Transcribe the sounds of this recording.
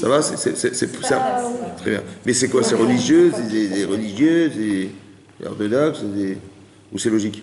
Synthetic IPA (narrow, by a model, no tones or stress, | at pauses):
sa̰vasɛ̰sɛ̰sɛsɛpsat̪χɛbjɛ̰̃mɛsɛkwasɛʁəliʒjøsɛsɛsɛʁəliʒjøsɛ | ɔ̰ʁt̪ɔd̪ɔksdɛ | usɛlɔʒik